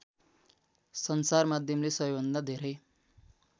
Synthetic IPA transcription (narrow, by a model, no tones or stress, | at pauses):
sʌnsarmad̪ʱjʌmlesʌɦjbʱʌnd̪ad̪ʱeɾʌj